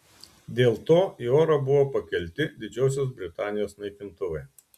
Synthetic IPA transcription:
d̪ʲeːlˠt̪oːioːɾɐbʊʋoːpɐkʲɛlʲt̪ʲɪd̪ʲɪd͡ʒʲɛʊs̬ʲoːs̬bʲɾʲɪt̪ɑːnʲɪjoːsnɐɪkʲɪnt̪ʊʋɐɪ

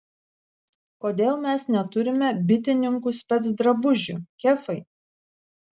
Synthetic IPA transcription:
koːd̪ʲeːlˠmʲɛsnʲɛt̪ʊɾʲɪmʲɛbʲɪt̪ʲɪnʲɪŋkusʲpʲɛt̪sd̪ɾɐbʊʒʲʊkʲɛfɐɪ

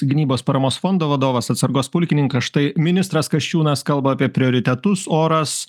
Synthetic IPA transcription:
ɡʲɪnʲiːboːspɐɾɐmoːsfond̪oːʋɐd̪oːʋɐsɐt̪sɐɾɡoːspʊlʲkʲɪnʲɪŋkɐsʃt̪ɐɪmʲɪnʲɪst̪ɾɐskɐʃʲt͡ʃʲuːnɐskɐlˠbɐɐːpʲiɛpʲɾʲɪoːɾʲɪt̪ʲɛt̪ʊsoːɾɐs

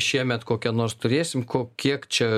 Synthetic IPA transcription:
ʃʲiɛmʲɛt̪koːkʲɛnoːrst̪ʊɾʲeːsʲɪmkoːkʲiɛkt͡ʃʲɛ

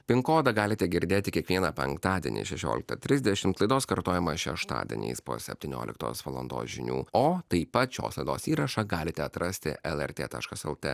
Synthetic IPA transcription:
pʲɪŋkoːd̪ɐɡɑːlʲɪt̪ʲɛɡʲɪɾʲd̪ʲeːt̪ʲɪkʲiɛkʋʲiɛnɐpʲɛ̰ŋkt̪ɑːd̪ʲɛ̰nʲḭʃʲɛʃʲo̰ːlʲɪkt̪ɐt̪ʲɾʲɪzd̪ʲɛʃʲɪmt̪lˠɐɪd̪oːskɐɾt̪oːjɛmɐʃʲɛ̰ʃt̪ɑ̰ːd̪ʲɛ̰nʲḭːspo̰ːsʲɛpʲt̪ʲɪnʲo̰ːlʲɪ̰kt̪o̰ːsʋɐlˠɔ̰nd̪o̰ːsʒʲɪnʲṵːoːt̪ɐɪpɐt̪ʃʲo̰ːslˠɐɪd̪oːsiːɾɐʃɐɡɑːlʲɪt̪ʲɛɐt̪ɾʔɐsʲt̪ʲɪ̰ɛlˠɛɾʲt̪ʲḛːt̪ɑ̰ːʃkɐsɛ̰lˠt̪ʲḛ

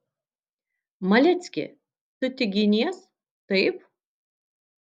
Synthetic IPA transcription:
mɐlʲɛt̪sʲkʲɪ̰ | sʊt̪ʲɪɡʲɪnʲiɛs | t̪ɐɪp

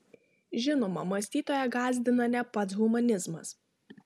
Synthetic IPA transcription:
ʒʲɪnoːmɐmɐsʲt̪ʲiːt̪oːjɛɡɑːzʲd̪ʲɪnɐnʲɛpɐt̪sɣʊmɐnʲɪzmɐs

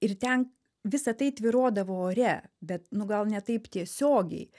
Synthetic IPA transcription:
ɪrt̪ʲɛn | ʋʲɪsɐt̪ɐɪt̪ʲʋʲɪɾoːd̪ɐʋoːoːɾʲɛbʲɛt̪nʊɡɐlˠnʲɛt̪ɐɪpt̪ʲiɛsʲoːɡʲɛ̰ɪ

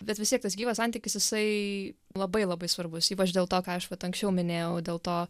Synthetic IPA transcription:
bʲɛt̪ʋʲɪst̪ʲiɛkt̪ɐsɡʲiːʋɐsɐnʲt̪ʲikʲɪsjɪsɐɪlˠɐbɐɪlˠɐbɐɪsʋɐɾbʊsiːpɐt͡ʃd̪ʲeːlˠt̪oːkɑːɐʃʋɐt̪ɐŋksʲt͡ʃʲɛʊmʲɪnʲeːjɛʊdʲeːlˠt̪oː

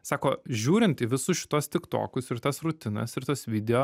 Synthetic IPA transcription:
sɑːkoːʒʲuːɾʲɪnt̪ɪʋʲɪsʊʃʲɪ̥t̪oɔst̪ʲɪkt̪o̰ːkʊsɪɾt̪ɐsɾʊt̪ʲɪnɐ̰sɪɾt̪osʋʲɪd̪ʲɛjoː

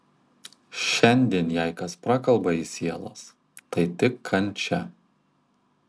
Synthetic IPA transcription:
ʃʲɛnʲd̪ʲiɛnjɛˑɪkɐspɾɑːkɐlˠbɐiːsʲiɛlˠo̰s | t̪ɐɪt̪ʲɪkʰːɐnʲˑt͡ʃʲɛ

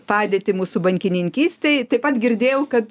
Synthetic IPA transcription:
pɑːd̪ʲeːt̪ʲɪmuːsʊbɐŋʲkʲɪnʲɪŋʲkʲiːsʲt̪ʲɛɪt̪ɐɪpɐt̪ɡʲɪɾʲd̪ʲeːjɛʊkɐt̪

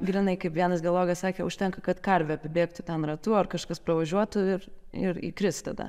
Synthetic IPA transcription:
ɡɾʲɪnɐɪkɐɪpʋʲiɛnɐsɡʲɛlˠoːɡɐssɑːkʲeːʊʃʲt̪ʲɛŋkɐkɐt̪kɐɾʲʋʲɛɐpʲɪbʲeːkt̪ʊt̪ʲɛnrɐt̪uːɐrkɐʃkɐspɾɐʋɐʒʲuɔt̪ʊɪɾɪɾḭkɾʲɪst̪ɐd̪ɐ̰

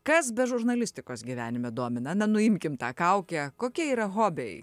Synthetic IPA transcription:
kɐsbʲɛʒʊɾnɐlʲɪsʲt̪ʲɪkoːsɡʲiːʋʲæːnʲɪmʲɛd̪uɔmʲɪnɐnɐnʊɪmʲkʲɪmt̪ɑːkɐʊkʲɛkoːkʲiɛiːɾɐɣoːbʲej

